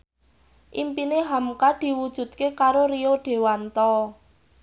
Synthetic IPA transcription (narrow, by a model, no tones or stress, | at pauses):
ʔimpineɦamkad̪̥i̤wud̥ʒ̥ṳt̪̚kekaɾorioɖ̥e̤want̪ɔ